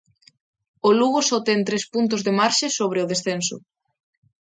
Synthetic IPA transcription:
ʊluɣʊsot̪ɛnt̪ɾespunt̪ʊzðemaɾʃɪsoβ̞ɾeʊð̞esθensʊ̰

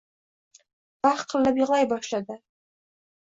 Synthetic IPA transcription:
b̥aχqʰəlːabiʁlˠɑjbɑʃlad̪a

